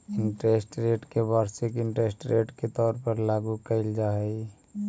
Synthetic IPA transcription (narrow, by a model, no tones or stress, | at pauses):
ɪɳʈɾeːsʈɾeːʈkebaːɾsɪkɪɳʈɾeːsʈɾeːʈket̪ɔːɾpəɾlaːɡukəɪld͡ʒaːɦɛi